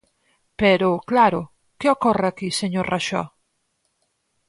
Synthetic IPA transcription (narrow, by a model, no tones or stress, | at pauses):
peɾʊklaɾʊ | keokɔreakiseɲoɾraʃɔ̰